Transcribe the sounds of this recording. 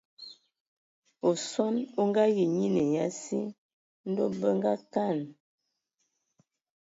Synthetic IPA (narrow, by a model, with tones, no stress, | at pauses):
o˨sɔ˦no˦ŋ˦ɡa˦ɣi˨ɲi˦ne˨ja˦si˦ | n̩˦do˦bə˦ŋ˦ɡa˦ka˦˨n